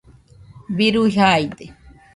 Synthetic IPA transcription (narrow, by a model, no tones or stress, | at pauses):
biɾuiɦajd̪e